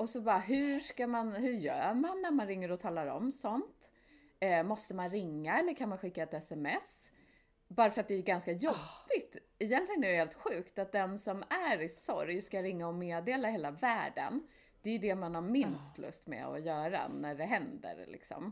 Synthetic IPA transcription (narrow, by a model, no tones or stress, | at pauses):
ɔsɔbɑːɾaɦɵʂkamanhɵɾjœ̰ːmanːæɾmanɾɪŋːəɾɔt̪ʰɑːlaɾɔ̰msɔnt̪ | mɔst̪əmanɾɪŋːaɛlːəɾkʰanmanɧɪkːaɛt̪ɛsɛmɛs | bɑːɾafœɾat̪̚d̪ɛjɵɡanskajɔbːɪt̪ | ɪjɛnt̪lɪɡənɛɾɛheːlt̪ɧʉ̟ːkt̪at̪̚d̪ɛnsɔmæɾɪsɔ̰ɾjskaɾɪŋːaɔmeːd̪eːlaheːlavæːɖə̰n | d̪̥ɛjɵd̪ɛmanhaɾmɪnst̪lɵ̰st̪mɛ̰ɔ̰jœːɾa̰næɖɛɦɛnd̪ə̰ɾlɪ̰ksɔ̰m